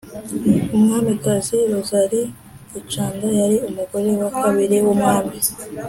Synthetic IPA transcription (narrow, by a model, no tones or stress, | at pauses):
umŋaːmikaziɾuzaɾiː | t͡ʃaːŋɡajaɾiomuɡo̞ɾe̞wakaβiɾewomŋaːmi